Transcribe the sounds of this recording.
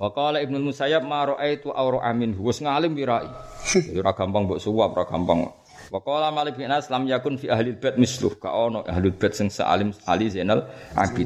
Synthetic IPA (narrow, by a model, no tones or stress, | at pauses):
waqɔlaɪb̚nulmusajab̚maɾɔʔajt̪uʔawɾɔʔaminɦwʊsŋalɪmwiɾaʔḭɾaɡ̥ampaŋbɔʔsuwap̚raɡ̥ampa̰ŋ̰ | wakɔlamalɪbiʔnaslamjakʊnfiʔaɦlilb̥ɛt̪̚mɪslṵhɡ̥a̰ʔɔnɔʔa̰ɦlilb̥ɛt̪̚səŋsə̰ʔa̰lɪma̰lizenalʔa̰b̥it̪